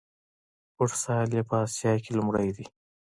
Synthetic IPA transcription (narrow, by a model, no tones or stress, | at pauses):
ʊʈsɑljapəɑsjɑkelʊmɽəjd̪i